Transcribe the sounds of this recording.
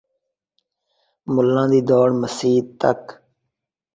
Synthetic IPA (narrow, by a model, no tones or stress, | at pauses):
mʊlːãːd̪iːd̪ɔːɽməsiːd̪̚t̪ə̰k